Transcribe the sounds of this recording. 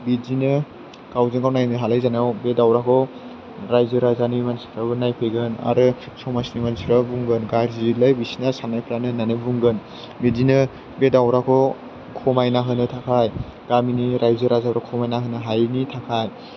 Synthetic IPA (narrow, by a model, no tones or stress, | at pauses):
bizinɯ | ɡ̥awzeŋɡawnajnɯɦalajzanawbedawɾakʰɔ | ɾajzɯɾazanimansi̥kʰɾabɯnajkʰɯjɡɯna̰ɾɯ | sɔmasnimansiɾabuŋɡɯnɡaɾzilajbisinasanajpʰɾanɯnanɯbuŋɡɯn | bizinɯ | bedawɾakʰɔ | kʰɔmajnaɦɯnɯtʰakʰajɡ̥aminiɾajzɯɾazaɾakʰɔmajnaɦɯnɯɦajnitʰakʰaj